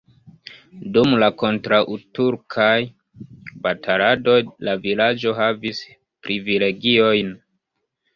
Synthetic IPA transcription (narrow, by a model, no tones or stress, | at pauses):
dumlako̞ntɾaʔutuɾkʰaj | batʰaɾado̞jlavilad͡ʒo̞ɦavis | pɾivile̞ɡio̞jn